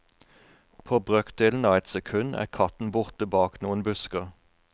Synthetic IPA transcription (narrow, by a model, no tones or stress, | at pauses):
pʰoːbʁœkt̪̚d̪eːln̩ɑːɛt̪sɛkʰʉnæ̰ːʁkʰɑt̪n̩bʊʁt̪əbɑːknuːənbʉskəʁ